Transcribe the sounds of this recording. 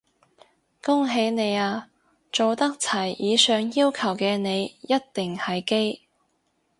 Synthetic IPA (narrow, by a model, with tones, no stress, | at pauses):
kʊ˥ŋɦe˨˥jne˨˧jaː˧ | t͡so˨wt̪ɐ˥k̚t͡sʰɐ˨˩jjiː˨˧sœː˨˧ŋjiː˥wkʰɐ˨˩wkɛː˧ne˨˧jjɐ˥t̚t̪ɪ˨ŋhɐ˨jke˥j